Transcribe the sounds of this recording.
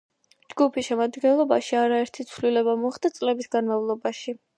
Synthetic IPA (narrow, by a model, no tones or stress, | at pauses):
d͡ʒɡupʰiʃɛmad̪ɡɛnlˠɔbaʃiaɾaɛɾt̪ʰit̪sʰvlilɛbamɔχd̪at̪sʼlɛbisɡanmavlˠɔbaʃi